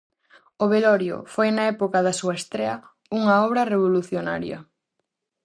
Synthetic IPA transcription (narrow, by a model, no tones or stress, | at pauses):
oβelɔɾjo̰fojnɐɛpokɐðɐsuɐest̪ɾeɐ | uŋɐɔβɾɐreβ̞oluθjona̰ɾjɐ̰